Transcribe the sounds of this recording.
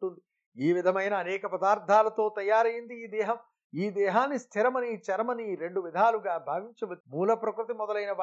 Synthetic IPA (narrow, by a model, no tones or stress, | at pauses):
ʈund̪i | iːʋid̪ʱɐmɐjnɐːnɛːkɐpɐd̪aːɾd̪ʱaːlɐt̪o̞ːt̪ɐjaːɾɐjind̪iːd̪ɛːɦɐm | iːd̪ɛːɦaːnːist̪ʰiɾɐmɐnit͡ʃɛɾɐmɐniɾe̞ɳɖuʋid̪ʱaːluɡaːbʱaːʋiɲt͡ʃɐʋɐmuːlɐpɾɐkɾut̪̬imɔd̪ɐlɐjnɐʋ